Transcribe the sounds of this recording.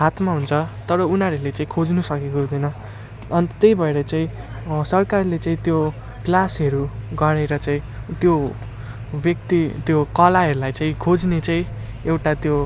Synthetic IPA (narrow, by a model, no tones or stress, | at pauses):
ɦat̪ʰmaɦunt͡sʰʌt̪ʌɾʌunaɾʌlet͡saĩkʰod͡znusʌkekoɦud̪ʌnʌ | ʌnt̪t̪ejbʱʌeɾʌt͡saĩ | sʌrkarlet͡saĩt̪jo | klasʌɾuɡʌɾeɾʌt͡saĩ | t̪jo | bjʌk̚t̪it̪jokʌlaɦʌɾulajt͡saĩkʰod͡znet͡saĩ | ewʈat̪jo